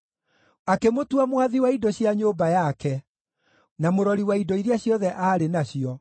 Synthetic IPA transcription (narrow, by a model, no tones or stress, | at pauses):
akemotuamwaðiwaidɔɕjaɲoːbajakɛ | namoɾɔɾiwaidɔiɾaɕjɔðɛʔaɾenaɕiɔ